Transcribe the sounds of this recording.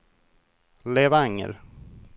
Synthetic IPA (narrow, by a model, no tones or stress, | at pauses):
leːvaŋə̰ɾ